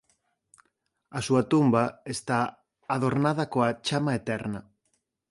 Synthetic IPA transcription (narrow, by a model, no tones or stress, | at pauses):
asuat̪umbaest̪aː | ð̞o̞ɾnað̞akoat͡ʃamaet̪eɾna